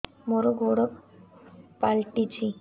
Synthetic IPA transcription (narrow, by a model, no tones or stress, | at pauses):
moɾoɡʱoɽɔk | palʈit͡ɕi